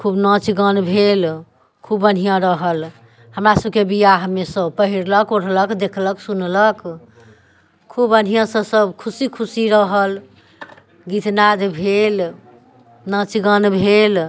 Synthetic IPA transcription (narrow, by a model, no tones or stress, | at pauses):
kʰubnə̃t͡ʃɡənbʱel | kʰubən̤ijãɾəɦəl | həmɾasəb̚kebijaɦəmesə̃pəɦiɾləkoɽʰləkd̪ekʰləksunlək | kʰubən̤ijãsə̃səbkʰusikʰusiɾəɦəl | ɡit̪nad̪bʱel | nə̃t͡ʃɡənbʱel